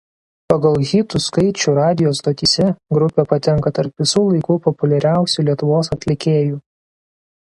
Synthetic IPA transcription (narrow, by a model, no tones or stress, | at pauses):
pɐɡɐlˠɣʲiːt̪uːskɐɪt͡ʃʲuɾɑːd̪ʲɪjoːst̪oːt̪ʲisʲɛɡɾʊpʲɛpɐt̪ʲɛŋˑkɐt̪ɐɾpʋʲɪsuːlˠɐɪkuːpɔpʊlʲɛɾʲæˑʊsʲuːˑlʲiɛt̪ʊʋoːsɐt̪ʲlʲɪkʲeːjuː